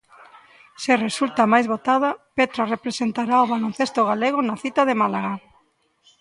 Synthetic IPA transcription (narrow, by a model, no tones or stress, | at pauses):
seresult̪amajzβot̪að̞apet̪ɾarepɾesent̪aɾaoβalon̟θest̪oɣaleɣ̞onaθit̪aðemalaɣa